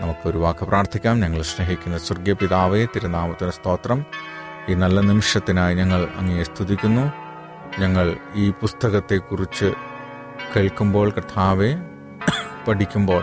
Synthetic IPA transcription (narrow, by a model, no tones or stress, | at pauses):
nɐmukːɨo̞ɾuʋaːkːɨprʔaːrt̪ʰikʲːaːmɲɐŋːɐɭɕreɦikʲːunːɐsɐrɡjɐpiðaːʋet̪iɾund̪aːmɐt̪ːinɐst̪o̞ːt̪rɐm | iːnɐlːɐnimiʂjɐt̪ːinaːjɲɐŋːɐɭɐ̰ŋːɐnest̪ʰiðikʲːunːu | ɲɐŋːɐɭiːpust̪ɐɣɐt̪ːe̞kːurit͡ɕːɨ | keːɭkːumbo̞ːɭkɐt̪ʰaːʋe | pɐʈikʲːumbo̞ːɭ